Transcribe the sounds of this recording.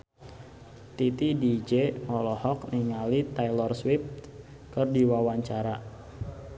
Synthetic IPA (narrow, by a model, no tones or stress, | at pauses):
t̪it̪idid͡ʒemɔlɔhɔk̚niŋalit̪ajlɔrswift̪ | kərdiwawaɲt͡ʃaɾa